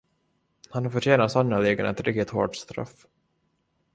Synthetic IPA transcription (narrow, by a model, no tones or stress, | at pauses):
hanhaɾfœʈɛːnat̪sanːaleːɡənaɛt̪ɾɪk̚t̪ɪt̪ho̰ːɖst̪ɾœ̰f